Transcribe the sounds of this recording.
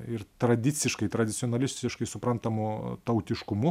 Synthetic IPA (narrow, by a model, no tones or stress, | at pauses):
ɪɾt̪ɾɐd̪ʲɪt̪sʲɪʃkɐɪt̪ɾɐd̪ʲɪt̪sʲioɔnɐlʲɪsʲt̪ʲɪʃkɐɪsʊpɾɐnt̪ɐmʊt̪ɐʊt̪ʲɪʃkʊmʊ